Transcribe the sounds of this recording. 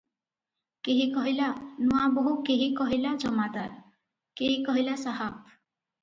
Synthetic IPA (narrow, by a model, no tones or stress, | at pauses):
keɦikɔɦilanuabɔɦukeɦikɔɦilad͡ʒɔmad̪aɾ | keɦikɔɦilasaɦap̚